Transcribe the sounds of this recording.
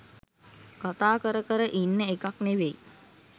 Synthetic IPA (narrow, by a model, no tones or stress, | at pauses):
kat̪aːkəɾəkəɾəʔinːəekakneʋej